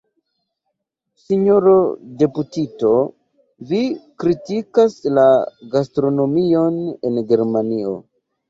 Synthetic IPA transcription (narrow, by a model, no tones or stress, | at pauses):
siɲoɾode̞putito̞ | vikɾitikaslaɡastɾo̞no̞mio̞ne̞nɡe̞ɾmanio̞̰